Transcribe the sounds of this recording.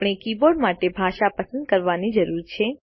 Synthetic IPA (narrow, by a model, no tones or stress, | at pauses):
pɳ̃ekiboɾɖmaʈebʱaʃapəsə̃nd̪̚kəɾʋanid͡ʒəɾuɾt͡ʃʰe